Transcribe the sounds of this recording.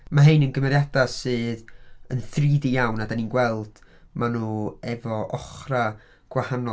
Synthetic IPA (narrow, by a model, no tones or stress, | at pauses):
maɦejnənɡəmɛɾjadasɨːðənθriːdijawnadaninɡwɛlˠd̥ | manuːɛvɔʔɔχra | ɡ̥wahanɔ